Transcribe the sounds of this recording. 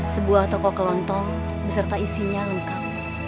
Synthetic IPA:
səbuaht̪ɔkɔkəlɔnt̪ɔŋ | bisərt̪aisiɲaləŋkap̚

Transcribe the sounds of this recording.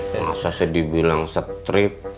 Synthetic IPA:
ma̰sasədibilaŋsət̪ɾɪp̚

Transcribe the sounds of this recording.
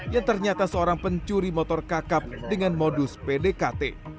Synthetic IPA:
jaŋt̪ərɲat̪asəoɾaŋpəɲt͡ʃuɾimɔt̪ɔrkakap̚dəŋanmoduspedekat̪ḛ

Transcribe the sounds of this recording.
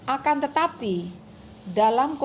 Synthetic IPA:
ʔakant̪ət̪api | da̤lamko

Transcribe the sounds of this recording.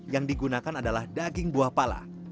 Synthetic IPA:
jaŋdiɡunakanadalahdaɡɪŋbuapala̰

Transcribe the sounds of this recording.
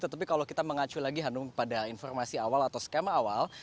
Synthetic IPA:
t̪ət̪apikalowkit̪aməŋat͡ʃulaɡiɦanʊmkə̥padainfɔrmasiawalat̪awsə̥kɛmawal

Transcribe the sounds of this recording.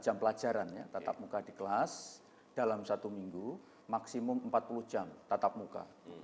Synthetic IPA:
d͡ʒampəlad͡ʒaɾanja̰t̪at̪a̰p̚mukadikəlas | d̥alamsat̪umiŋɡu | maksimʊməmpat̪̚pulu̥d͡ʒamt̪at̪ap̚muka̰

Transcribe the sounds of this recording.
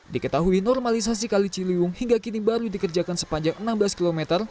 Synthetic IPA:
dikət̪aɦuinɔrmalis̬as̬ikalit͡ʃiliwʊŋhiŋɡakinibaɾudikərd͡ʒakansə̥paɲd͡ʒaŋənambəlaskilomɛt̪ər

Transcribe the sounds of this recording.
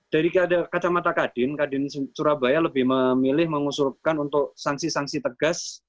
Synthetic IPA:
d̥aɾikadakat͡ʃamat̪̬akad̥ɪnkadɪnsəsuɾabajaləbɪhməmilɪhməŋusuɾp̚kanunt̪ʊk̚saŋsisaŋsit̪əɡ̥as

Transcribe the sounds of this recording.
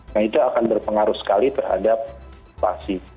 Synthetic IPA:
nait̪uakanbərpəŋaɾuhsə̥kalit̪ərha̰dap̚ | pa̰si

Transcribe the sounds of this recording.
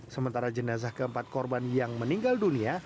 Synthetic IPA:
səmənt̪aɾad͡ʒənazahkəəmpat̪̚kɔrbanjaŋməniŋɡaldunia

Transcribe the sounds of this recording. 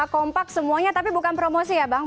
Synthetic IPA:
kɔmpak̚səmuaɲat̪apibukanpɾomosijabaŋ

